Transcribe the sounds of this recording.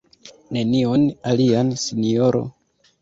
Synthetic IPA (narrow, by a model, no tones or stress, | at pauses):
ne̞nio̞naliansinio̞ɾo̰